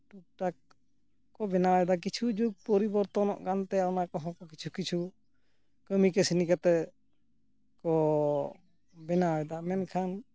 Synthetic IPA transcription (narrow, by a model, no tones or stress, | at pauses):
puk̚ʈak̚ | kɔbɛnawɛd̪ak̬it͡ʃʰud͡ʒuɡ̚pɔɾibɔɾt̪ɔnɔ̰ʔkant̪ɛanakɔɦɔ̃kɔkit͡ʃʰukit͡ʃʰu | kəmikɛsinikat̪ɛ | kɔ | bɛnaɛd̪amɛnkʰan